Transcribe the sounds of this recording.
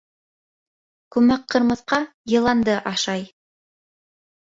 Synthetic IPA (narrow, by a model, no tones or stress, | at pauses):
kʉmæqʰːɤ̆ɾmɤ̆θqɑjɤ̆lˠɑnd̪ɤʔɑʃɑj